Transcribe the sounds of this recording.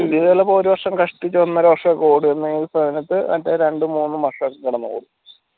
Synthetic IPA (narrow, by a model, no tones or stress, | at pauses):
iðɐlːɐpoːɾuʋɐrʂɐmkɐʂʈːit͡ɕːuɐnːɐːɾuʋɐrʂɐɐkːoːɽuenːɨiːsɐd̪ɐnɐt̪ːɨɐ̰t̪ːeɾe̞ɳɖɨmuːnːɨmɐrʂɐkːkɐɽɐnːɐko̰ːɽu